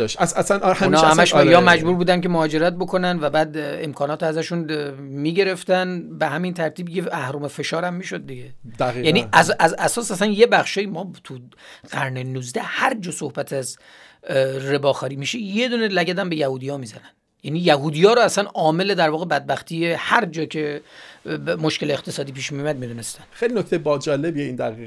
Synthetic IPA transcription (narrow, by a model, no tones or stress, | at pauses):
ʃæsæsanhunːhæmæʃjɒːmæd͡ʒbuːɾbuːd̪ænkemohɒːd͡ʒe̞ɾæt̪̚bo̞kʰo̞nænvæbæːd̪ḛmkʰɒːnɒːt̪ʰæzæʃun | miːɟe̞ɾe̞ft̪ænbehæmint̪ʰæɾt̪ʰiːbjeæhɾuːmefe̞ʃɒːɾæmːiːʃo̞d̪̚ːiɟed̥̪æijæniʔæsʔæzæsɒːsæsænjebæxʃɒːjimɒːt̪ʰu | ɢ̥æɾnenuzd̪æhæɾd͡ʒɒːsohbæt̪ʰæz | re̞bɒːxɒːɾiːmiʃejed̪uːnelæɟæd̪æmbe̞jæhuːd̪ijɒːmiːzænænd̪ | jæniːjæɦuːd̪ijɒːɾoæsænɒːme̞led̪æɾvɒːɣebæd̪̚bæxt̪ʰiehæɾd͡ʒɒːcʰe̞ | moʃkʲe̞lext̪ʰe̞sɒːd̪iːpiːʃmijumæd̪̚mid̪uːnest̪ænxejlinoc̚ʰʲt̪ejebɒːd͡ʒɒːlebieind̪æɣi